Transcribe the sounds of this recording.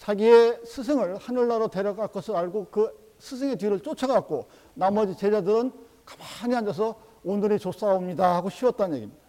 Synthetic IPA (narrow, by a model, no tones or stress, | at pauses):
t͡ɕaɡiesʰɯs̬ʰeŋɯɭhanuɭːaɾote̞ɾjʌɡaɭk͈ʌsʰɯɾaɭɡokɯ | sʰɯs̬ʰeŋe̞tɥiɾɯɭt͡ɕ͈ot͡ɕʰʌɡak̚k͈o | namʌd͡ʑit͡ɕed͡ʑadɯɾɯn | kḁmaɲiand͡ʑʌs̬ʰʌ | onɯɾit͡ɕos͈aomɲidahaɡoɕʰiwʌt̚t͈annje̞ɡimɲid̥a